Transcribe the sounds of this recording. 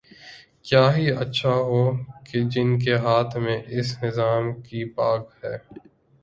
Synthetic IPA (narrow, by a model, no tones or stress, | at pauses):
kjaːɦiɐtːʃʰaɦoːked͡ʒɪnk̬eɦaːt̪ʰmẽʔɪsnɪzaːmkipaːkhɛː